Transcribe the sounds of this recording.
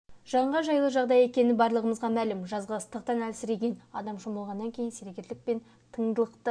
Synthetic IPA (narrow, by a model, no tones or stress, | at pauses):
ʒ̥ɑɴʁɑʒɑjlˠəʒɑʁd̪ɑje̞kʲe̞nɪbɑɾlˠəʁəməzʁɑmælɪmʒɑzʁɑəst̪əq̚t̪ɑnælsɪɾeɡʲe̞nɑ̰d̪ɑmʃoməlˠʁɑnːɑŋkʲʰe̞jɪnseɾekʲe̞t̪lɪk̚pe̞n | t̪ʰəɴd̪əlˠəqt̪ə